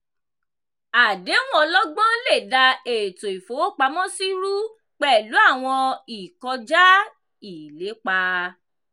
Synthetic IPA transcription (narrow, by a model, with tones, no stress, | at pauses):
a˨de˨˦nũ˦ɔ˧lɔ˦ɡ͡bɔ̃˦le˦˨da˧e˨to˨i˨fo˨˦˨k͡pa˧mɔ̃˦si˦ɾu˦ | k͡pɛ˦˨lu˨˦a˦˨w̃ɔ̃˧i˨kɔ˧d͡ʒa˦ | i˨le˨˦k͡pa˧